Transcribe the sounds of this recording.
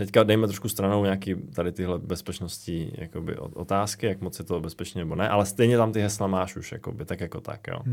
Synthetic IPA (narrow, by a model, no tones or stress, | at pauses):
t̪ɛckadajmɛt̪ɾoʃkust̪ɾanowɲaːkiːt̪adɪt̪ɪɦlɛbɛspɛt͡ʃnoscija̰kobɪ̰ʔo̰ot̪aːskɪjakmot͡sjɛt̪obɛspɛt͡ʃniːnɛbonɛʔalɛst̪ɛjɲɛt̪amt̪ɪɦɛslamaːʃuʃja̰kobɪt̪akjakot̪a̰kjo̰ː